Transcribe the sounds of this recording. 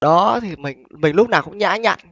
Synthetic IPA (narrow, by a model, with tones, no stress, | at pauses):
ɗɔ˨˦t̪ʰi˨˩mï˨˩ŋ̟mï˨˩ŋ̟lʊ˦˥k͡p̚naː˨˩wkʊ̰˧˥ŋ͡mɲa̰ː˧˥ɲa̰ː˧˨n